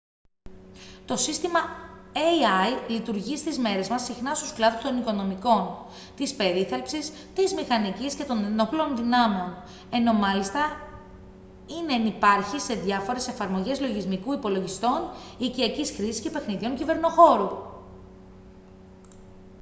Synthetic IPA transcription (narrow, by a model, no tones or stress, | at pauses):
t̪o̞sist̪imɐeiɐjlit̪uɾʝist̪izme̞ɾe̞zmɐsixnɐst̪usklɐðust̪o̞niko̞no̞miko̞n | t̪ispe̞ɾiθepsis | t̪izmixɐnicisce̞t̪o̞neno̞plonðinɐmeo̞n | e̞no̞mɐlist̪ɐ | ineːnipɐɾçise̞ðʝɐfo̞ɾe̞se̞fɐɾmo̞ʝe̞zlo̞ʝizmikuipo̞lo̞ʝist̪o̞niciɐcisxɾisi̥sce̞pe̞xniðio̞ɲcive̞ɾno̞xo̞ɾu